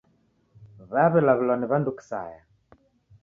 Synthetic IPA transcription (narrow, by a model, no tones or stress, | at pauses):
βaβɛlaβilɔniβanduki̥sa̰ja̰